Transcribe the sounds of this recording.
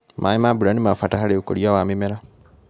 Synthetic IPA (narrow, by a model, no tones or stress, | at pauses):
mʔaimabuɾanimafataxaleukoɾjawamimeɾa